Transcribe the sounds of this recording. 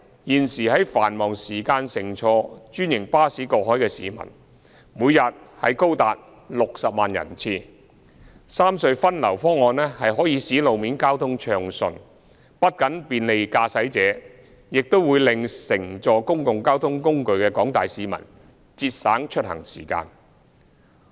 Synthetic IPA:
jiː˨˩nsiː˨˩ɦɐ˨˥jfaː˨˩nmɔː˨˩ŋsiː˨˩kaː˧nsɪ˨˩ŋt͡ʃʰɔː˧t͡ʃyː˥njɪ˨˩ŋpaː˥siː˨˥kɔː˧k̚ɦɔː˨˥jkɛː˧sḭː˨˦mɐ̰˨˩n | muː˨˧jɐ˨t̚hɐ˨jko˥wt̪aː˨t̚ | lʊ˨k̚sɐ˨p̚maː˨njɐ̰˨˩nt͡sʰiː˧˩ | saː˥msɵ˧ɥfɐ˥nlɐ˨˩wfɔː˥ŋɔː˨˧nlɛː˥hɐ˨jɦɔː˨˥jiː˨˧siː˨˥lo˨wmiː˨˥nkaː˥wt̪ʰʊ˥ŋt͡ʃʰœː˨ŋsɵ̰˨n | pɐ˥t̚kɐ˨˥npiː˨nle˨˧jkaː˧sɐ˨˥jt͡sɛː˨˥ | jɪ˨k̚t̪o˥wuː˨˧jlɪ˨ŋsɪ˨˩ŋt͡sɔː˨kʊ˥ŋkʊ˨ŋkaː˥wt̪ʰʊ˥ŋkʊ˥ŋkɵ˨ɥkɛː˧kɔː˨˥ŋt̪aː˨jsiː˨˧mɐ̰˨˩n | t͡siː˧t̚saː˨˥ŋt͡ʃʰɵ˥t̚hɐ̰˨˩ŋsiː˨˩ka̰ː˧n

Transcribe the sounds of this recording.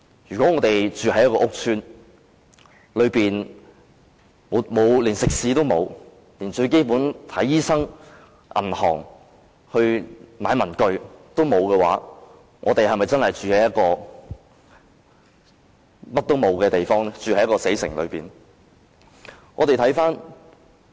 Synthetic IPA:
jyː˨˩kʷɔː˨˥ŋɔː˨˧t̪e˨jt͡ʃyː˨˧ɦɐ˨˦jɐ˥kɔː˧˥ʔʊ˥k̚tʰyː˥n | lɵ˨˧ɥpiː˨n | muː˨˩tmo˨˧wliː˨˩nsɪ˨k̚siː˨˥t̪̬o˥wmo˨˧w | liː˨˩nt͡ʃɵ˧ɥke˥jpuː˨˥nt̪ʰɐ˨˥jːiː˥sɐ˥ŋ | ʔɐ̰˨˩nhɔ̰ː˨˩ŋ | hɵ˧ɥmaː˨˧jmɐ˨˩nkɵ˨˧ɥt̪o˥wmo˨˧wkɛː˧wa̰ː˨˥ | ŋɔ̰ː˨˧t̪e˨jɦɐ˨mɐ˨jt͡sɐ˥nhɐ˨jt͡ʃyː˨he˨˥jɐ˥t̚kɔː˧ | mɐ˥t̚t̪o˥wmo˨˧wkɛː˧t̪e˨jfɔː˥ŋt͡ʃyː˨hɐ˨˥jɐ˥kɔː˧se˨˥jsɪ˨˩ŋlɵ̰˨˧ɥpiː˨n | ŋɔ̰ː˨˧te˨jt̪ʰjfaː˥n

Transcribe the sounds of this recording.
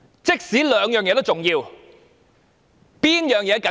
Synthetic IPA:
t͡sɪ˥k̚siː˨˥lœː˨˧ŋjœː˨ŋjɛː˨˧t̪o˥wt͡sʊ˨˩ŋjiː˧w | piː˥njœː˨˩ŋjɛː˨˧kɐ˨˥

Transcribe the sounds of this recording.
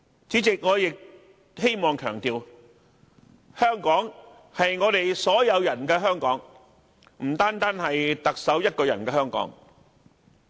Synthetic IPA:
t͡si˨˥t͡sɪ˨k̚ŋɔː˨˧jɪ˨k̚ | he˥jmɔː˨ŋkʰœː˨˩ŋt̪iː˨w | hœː˥ŋkɔː˨˥ŋ | hɐ˨jŋɔː˨˧t̪e˨jsɔː˨˥jɐ˨˧wjɐ˨˩nkɛː˧ɦœː˥ŋkɔː˨˥ŋ | m̩˨˩t̪aː˥nt̪aː˥nhɐ˨jt̪ɐ˨k̚sɐ˨˥wjɐ˥t̚kɔː˧jɐ̰˨˩nkɛː˧hœː˥ŋkɔ̰ː˨˥ŋ

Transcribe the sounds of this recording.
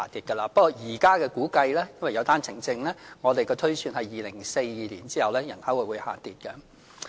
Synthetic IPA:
a̰ː˨t̪iː˨t̚kɐ˧laː˧pɐ˥t̚kɔː˧˩jiː˨˩kaː˥kɛː˧kuː˨˥kɐ˧jlɛː˥jɐ˥nwɐ˨jɐ˨˧wt̪aː˥nt͡sʰɪ˨˩ŋt͡sɪ˧ŋlɛː˥ŋɔː˨˧t̪e˨jkɔː˧t̪ʰɵ˥ɥsyː˧nhɐ˨jːiː˨˧lɪ˨˩ŋse˧jːiː˨˧liː˨˩nt͡siː˥hɐ˨wlɛː˥jɐ˨˩nhɐ˨˥wu˨˩wuː˨˧jha̰ː˨t̪iː˨˩t̚kɛ˧

